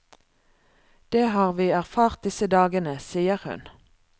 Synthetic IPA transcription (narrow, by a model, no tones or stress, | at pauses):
d̪̥eːhɑːʁʋiːæʁfɑːʁt̪̚d̪ɪsəd̪ɑːɡənəsiːəʁhʉ̰n